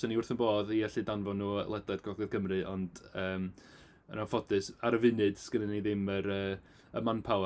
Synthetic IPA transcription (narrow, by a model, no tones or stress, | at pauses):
sɔniʊrθənboːðiɛɬɨdanvɔnṵːlˠɛdlˠɛdɡɔɡɛð̥kʰəmrɨʔɔndəːm | ə̰nafɔdɨsaɾəvɨnɨd̥sɡ̥ənəniðɪməɾəː | əmanpʰaw